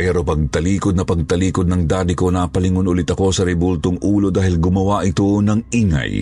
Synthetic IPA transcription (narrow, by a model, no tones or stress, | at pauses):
ɛɾo̞pɐɡ̚t̪ɐliːkod̪nɐpɐɡ̚t̪ɐliːkod̪nɐŋd̪aːd̪ɪko̞naːpɐlɪŋonʔʊlɪt̪ɐko̞sɐɾɛbult̪oŋʔuːlo̞d̪aːhɪlɡʊmɐwaʔɪt̪o̞nɐŋiːŋɐ̰j